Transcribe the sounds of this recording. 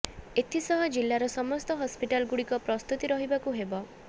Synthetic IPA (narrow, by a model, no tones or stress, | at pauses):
et̪ʰisɔɦɔd͡ʒilːaɾɔsɔmɔst̪ɔɦɔspiʈalɡuɽikɔpɾɔst̪ut̪iɾɔɦibakuɦebɔ